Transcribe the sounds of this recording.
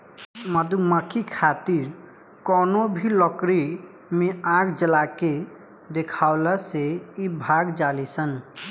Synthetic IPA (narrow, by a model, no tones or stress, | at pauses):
məd̪uməkʰikʰat̪iɾ | kɔnobʱilɔkɾi | mẽãɡd͡ʒəlake | d̪ekʰaʊlaseibʱaɡd͡ʒalisən